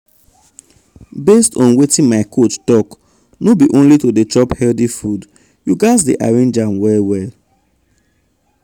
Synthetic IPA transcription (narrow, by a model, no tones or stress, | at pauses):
bestɔ̃nwetĩnmaɪkʰot͡ʃtɔk | nobiʔõnlitodet͡ʃɔphɛldifud | juɡasdiʔa̰ɹẽnd͡ʒãnwɛlwɛl